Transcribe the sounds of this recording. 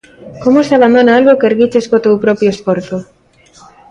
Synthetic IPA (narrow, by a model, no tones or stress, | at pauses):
komosaβand̪onaalɣokeɾɣit͡ʃeskot̪ewpɾɔpɾjoesfoɾθo